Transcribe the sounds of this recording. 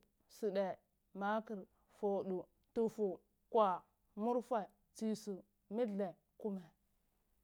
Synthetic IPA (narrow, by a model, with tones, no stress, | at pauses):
si˨ɗe˨ | ma˦ki˨ɾ | fo˨ɗu˨ | tu˨fu˨ | kwa˨ | mu˦ɾfa˨ | t͡si˨su˨ | mi˦ɮe˨ | ku˦me˨